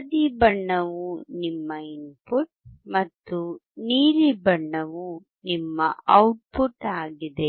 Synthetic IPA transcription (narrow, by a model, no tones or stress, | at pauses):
ɐd̪ibɐɳːɐʋunimːɐinpuʈ̚mɐt̪ːuniːɾibɐɳːɐʋu | nimːɐɐwʈ̚puʈaːɡid̪e